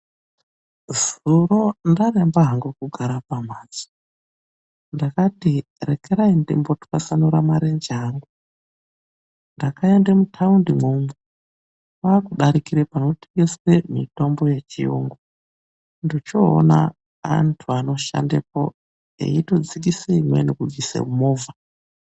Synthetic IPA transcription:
zuɾo̞ndarembaɦaŋɡukuɡʱaɾapamaːd͡zi̥ | ndakati | rekeɾaindimbo̞tu̥kasanuɾamaɾend͡ʒaːŋɡu | ndakaendemutʰaundimomu | pakuɗaɾikiɾepano̞ti̥ɡesemito̞mbo̞je̞t͡ʃijo̰ŋɡo | ndit͡ʃo̰ːna̰ | a̰ntʰuano̞ʃa̰ndepo̞̰ | ḛito̞d͡zik̬iseimwḛnekuvisḛumoːva

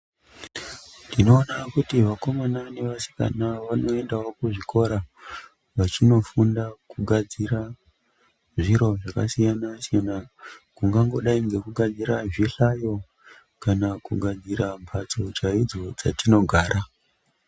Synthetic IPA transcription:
ndino̞ːnakutiʋako̞manane̞ʋasi̥ka̰naʋano̞e̞ndaokuʐiko̞ɾa | ʋat͡ʃino̞fundakuɡʱad͡ziɾa | ʐiɾo̞ʐaka̰sijanasijanakuŋɡaŋɡo̞ɗaiŋɡe̞kuɡʱad͡ziɾaʐiɬajo̞ | kanakuɡʱad͡ziɾampʰat͡so̞t͡ʃaid͡zo̞d͡za̰tino̞ɡʱaːɾa

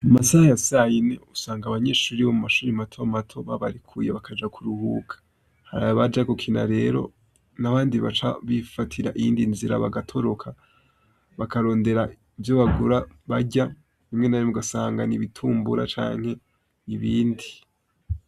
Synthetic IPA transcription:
umasahajasajine̞usaːŋɡaβaɲe̞ːʃuːɾiβo̞mumaʃuːɾimatʰo̞matʰo̞βaβaɾikʰujeβakʰad͡ʒakʰuɾuhukʰḁ | haɾaβaβad͡ʒakukʰina̰ɾe̞ːɾo̞̰ | naβaːndiβa̰t͡ʃa̰βifatʰiɾa̰ʔijiːndinziɾa̰βa̰ɡatʰo̞ɾo̞kʰa | βakaɾo̞ːnde̞ɾa | ivjoβaɡuɾaβaɟa | βimŋe̞najomuɡasaːŋɡaniβitʰuːmbuɾa̰t͡ʃa̰ːŋ̥he̞ | iβiːndi

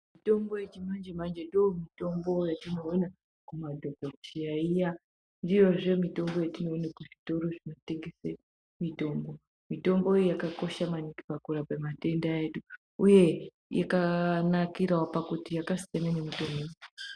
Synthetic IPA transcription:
mito̞mbojet͡ʃino̞nd͡ʒemand͡ʒe̞ndomito̞mbo̞jatino̞ːna | kumadʱoɡokt͡ʃijaija | ndijo̞ʐe̞mito̞mbo̞jatinoːnekuʐito̞ɾo̞ʐino̞te̞ŋɡe̞se | mito̞mbo̞ | mito̞mbo̞ijakako̞ʃamaniki̥pakuɾapemate̞ndaeɗu | uje̞ | ja̰kanakiɾawapakutijakasi̥tenanemito̞mbo

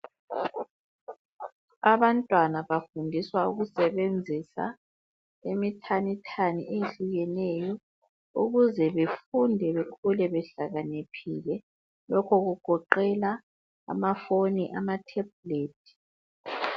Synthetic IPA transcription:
aβantʼwanaβafundʱiswauɣusɛβend͡zʱisa̰ | emitʰanitʰaniʔejeɬuɣɛnɛjɔ | ṵɣuzɛβefundʱɛβekʰulɛβɛɬaɣanepʰilɛ | lɔkʰɔɣuɡ̥ʱɔǃɛla | a̰mafoniʔamatʰɛb̚leːtʰi̥

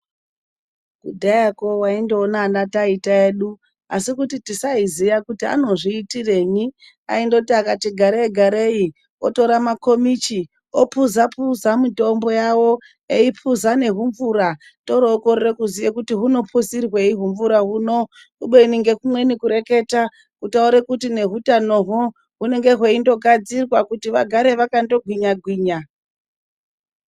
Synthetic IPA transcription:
kudʱajako̞waindo̞ːnanataitaeːɗu | asikutitisaizijakutia̰no̞ʐiːtire̞ːɲi | a̰indokutiakatiɡʱaɾeeɡʱaɾe̞i | oto̞ɾamako̞mit͡ʃi | opuzapuzamito̞mbo̞jawo̞ | eipʰuzane̞ɦuɱvuɾa | to̞ɾoːkorerekuzijekutiɦuno̞pʰusirwe̞iɦuɱvuɾaɦuːno̞ | uɓeiniŋɡe̞kumwe̞nikuɾe̞ke̞ta | kutauɾekutine̞ɦutano̞ɦo | ɦune̞ŋɡe̞ɦwe̞indo̞ɡʱad͡zirwakutiʋaɡʱaɾe̞ʋakando̞ɡʱwiɲaɡʱwiːɲa

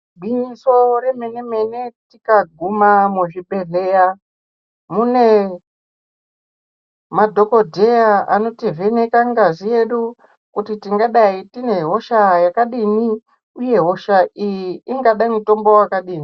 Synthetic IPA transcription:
bʱiniso̞ɾeme̞ne̞me̞ne̞tikaɡʱumameʐiɓe̞reja | mune | madʱo̞ko̞dʱe̞jaa̰no̞tivene̞kaŋɡazije̞ɗu | kutitiŋɡaɗaitine̞ɦo̞ʃajakaɗini | uje̞ɦo̞ʃaʔijiːŋɡaɗaimuto̞mbowakaɗiːni

